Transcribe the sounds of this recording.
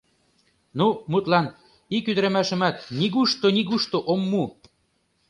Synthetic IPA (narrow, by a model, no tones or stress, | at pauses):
numut̪lɑn | ikyd̪ə̆ɾæ̆mæʃə̆mæt̪̚niɣuʃt̪oniɣuʃt̪oʔomːu